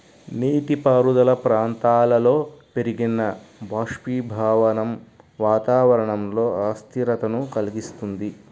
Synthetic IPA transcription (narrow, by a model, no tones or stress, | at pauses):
niːʈipaːɾud̪ɐlɐpɾaːnt̪aːlɐlo̞ːpe̞ɾiɡinːɐbaːʂpiːbʱaːʋɐnɐm | ʋaːt̪aːʋɐɾɐɳɐmlo̞ːaːst̪ʰiɾɐt̪ɐnukɐliɡist̪und̪i